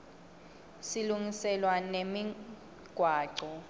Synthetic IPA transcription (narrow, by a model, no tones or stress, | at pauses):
siluŋisɛlwanemi | ɡ̥ʱwaːǀɔ